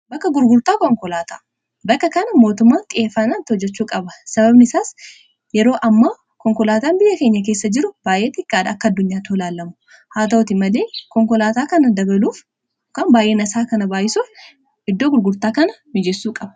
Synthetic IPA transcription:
bɐkːɐɡʊɾɡʊɾt̪aːkɔŋkɔlaːt̪a̰ː | bɐkːɐkɐnɐmo̞ːt̪ʊmːaːnt̪ʼɪʔeːfːɐnant̪ɪhɔd͡ʒːɛt͡ʃːuːkʼɐbɐsɐbɐbnɪsaːs | jɛɾo̞ːʔɐmːɐ | kɔŋkɔlaːt̪aːnbɪjːɐke̞ːɲːɐk̬e̞ːsːɐd͡ʒɪɾʊb̥aːjʔe̞ːt̪ɪkʼːaːd̪ɐɐkːɐd̪ːʊɲːaːt̪oːlaːlːɐmʊ̥ | haːt̪ɐʊt̪ɪmɐle̞ːkɔŋkɔlaːt̪aːkɐnɐd̪ɐbɐluːf | kaːnbaːjʔe̞ːnɐsaːkɐnɐbaːjɪsuːf | ɪd̪ːoːɡʊɾɡʊɾt̪aːkɐnɐmɪd͡ʒesːuːkʼɐbɐ

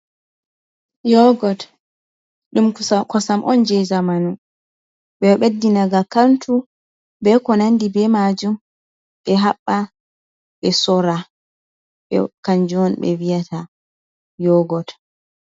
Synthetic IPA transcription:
jɔɡɔd | ɗumkɔsamʔɔnd͡ʒɛjzamanu | ɓɛɓedːinaɡakantu | bɛkɔnandibɛmad͡ʒum | ɓɛɦaɓːa | ɓɛsɔɾa | ɓɛ̰kaɲd͡ʒɔnɓɛ̰wijata | jɔɡɔt

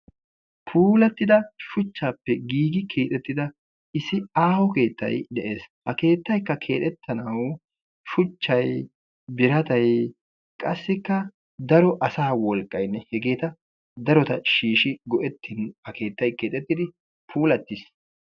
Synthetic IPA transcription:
pʰuːlɐt̪ːɪd̪ɐʃʊt͡ʃːaːpːɛɡiːɡɪkʰe̞ːt̪ʼɛt̪ːɪd̪ɐ | ɪsɪaːhɔke̞ːt̪ːɐ̰jd̪ɛʔe̞ːshɐke̞ːt̪ːɐjkːɐkʰe̞ːt̪ɛt̪ʰːɐnɐw | ʃʊt͡ʃːɐj | bɪɾɐt̪ɐj | kʼɐsːɪkːɐ | d̪ɐɾɔʔɐsaːwɔlkʼːɐjnːɛhɛɡe̞ːt̪ɐ | d̪ɐɾɔt̪ɐʃiːʃɪɡɔʔɛt̪ʰːɪnhɐkʰe̞ːt̪ːɐjke̞ːt̪ʼɛt̪ːɪd̪ɪ | pʰuːlɐt̪ːɪs

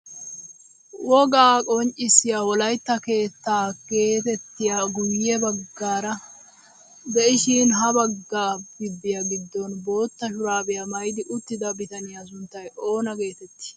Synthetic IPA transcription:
wɔɡaːkʼɔnt͡ʃʼːɪsːɪjaːwɔlɐjt̪ːɐke̞ːt̪ːaːɡ̥e̞ːt̪ɛt̪ːɪjaɡʊjːɛbɐɡːaːɾɐ | bɛɪʃiːnɦɐbɐɡːaːb̥ɪbːɪjaɡɪd̪ːɔnbo̞ːt̪ːɐʃʊɾaːbɪjamɐjd̪ɪʔʊt̪ːɪd̪ɐbɪt̪ɐnɪjas̬ʊnt̪ːɐjʔo̞ːnɐɡe̞ːt̪ɛt̪ːɪ̥

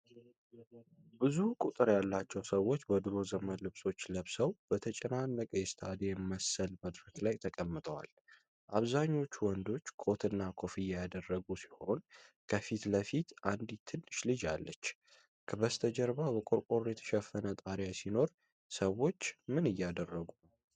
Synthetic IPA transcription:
bɨzukʼut̪ʼɨɾjalːat͡ʃːɛwsəwːo̞t͡ʃːbəd̪ɾo̞zəmənlɨβso̞t͡ʃːləβsəwb̥ət̪ʰət͡ʃʼɛnanːəkʼəjɛst̪ʰad̪eməsəlməd̪ɾəklajt̪ʰəkʼəmːɨt̪ʼəwa̰l | ʔaβzaɲːo̞t͡ʃːwɔnd̪o̞t͡ʃːkʰo̞t̪ʰɨnːakʰo̞fɨjːɛjad̪ərːəɡusi̥ho̞nkʰəfit̪ləfit̪ʔand̪it̪ʰɨnːɨʃlɨd͡ʒalːət͡ʃː | kʰəbəst̪ʰəd͡ʒəɾbabəkʼoɾkʼo̞ɾjɛt̪ʰə̥ʃɛfːənət̪ʼaɾjasino̞ɾ | səwːo̞t͡ʃːmɨnɨjːad̪ərːəɡunəw

